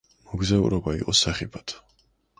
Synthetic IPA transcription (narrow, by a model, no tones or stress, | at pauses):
mɔɡzaṵɾɔbaḭqʼɔsaχipʰat̪ʰ